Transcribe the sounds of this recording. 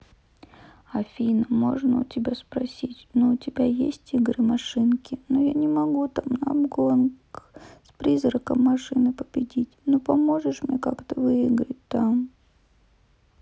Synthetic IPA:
ɐfʲinəmo̞̰ʐnəʊ̰tʲɪbʲaspɾɐsʲitʲnoʊtʲɪbʲajesʲtʲiɡɾɨmɐʂɨnkʲɪnojanʲɪmɐɡut̪amnɐɐbɡonkspɾʲizɾəkəmːɐʂɨnɨpəbʲɪdʲitʲnopɐmo̞ʐɨʂmnʲekakt̪əvɨɪɡɾət̚ʲt̪am

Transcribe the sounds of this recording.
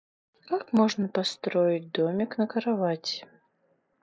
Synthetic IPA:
kakmɔʐnɐpast̪ɾɔjit͡sʲd̪ɔmʲiknɐkɐɾavat͡sʲ

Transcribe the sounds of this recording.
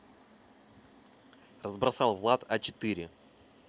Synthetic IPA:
rəzbɾɐsɑlˠvlˠat̪ɐt͡ɕɪ̥t̪iɾʲɪ

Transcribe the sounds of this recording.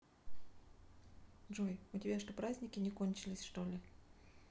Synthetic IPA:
ʐojʊtʲɪbʲaʂt̪opɾazʲnʲɪkʲɪnʲɪkonʲt͡ɕɪlʲɪsʲʂt̪o̞lʲɪ

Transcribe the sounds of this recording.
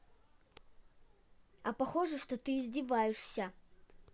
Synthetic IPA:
ɐpaxɔʐɨʂt̪ɔt̪ɨzʲdʲivajɛʂsʲɐ

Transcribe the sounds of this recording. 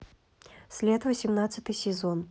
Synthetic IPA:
sʲlʲɛt̪vɐsʲɪmnat̪sɨt̪ɨsʲɛzɔn

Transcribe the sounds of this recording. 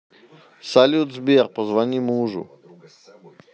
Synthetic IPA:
salʲut̪zbirpɔzʋanʲimuːʐṵ

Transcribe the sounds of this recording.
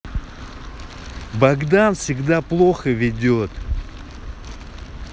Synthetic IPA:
baɡd̪anfsʲɪɡd̪aplˠoxəvʲɪdʲot̪

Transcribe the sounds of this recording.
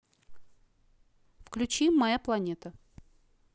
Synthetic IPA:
fklʲʉt͡ɕimːɐjaplˠɐnʲet̪ə

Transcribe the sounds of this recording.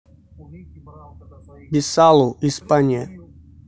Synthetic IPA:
bisaluʔispaɲɛ

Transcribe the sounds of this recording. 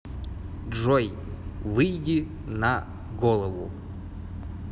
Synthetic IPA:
ʐɔj | vɨjdʲi | na | ɡɔlˠɐvṵ

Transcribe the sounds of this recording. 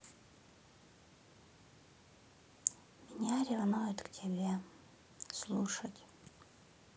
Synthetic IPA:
mʲinʲarʲivanujet̪ktʲʰebʲe | slˠuʂatʲʼ

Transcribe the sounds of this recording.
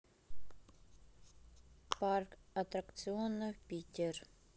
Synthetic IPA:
parkat̪ɾakt̪sɨonːɨxpʲitʲer

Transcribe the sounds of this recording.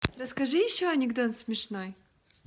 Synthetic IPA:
ɾəskɐʐɨjɪɕːoɐnʲɪɡd̪ot̪smʲɪʂnoj

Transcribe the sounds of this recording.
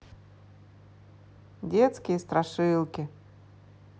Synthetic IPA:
dʲet̪skʲɪjəst̪ɾaʂɨlˠkʲɪ

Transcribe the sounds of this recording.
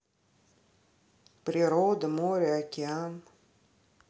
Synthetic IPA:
pɾʲɪɾod̪əmoɾʲəɐkʲɪan

